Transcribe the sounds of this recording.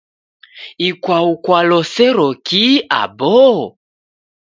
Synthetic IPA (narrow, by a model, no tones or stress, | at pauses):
ikwaukwalɔsɛɾɔkia̰bɔ